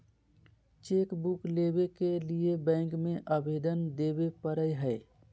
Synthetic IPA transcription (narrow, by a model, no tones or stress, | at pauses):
t͡ʃeːkbukleːbekeliebɛ̃ːŋkmẽʔəbʱeːd̪ənd̪eːbepəɾəjɦɛ